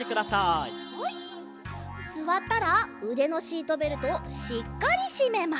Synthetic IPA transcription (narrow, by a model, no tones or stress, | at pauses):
e̞kɯ̟d̪asai | sɨβat̪ːaɾaɯ̟d̪e̞no̞ɕiːt̪o̞be̞ɾɯ̟t̪o̞ɕikːaɾʲiɕime̞ma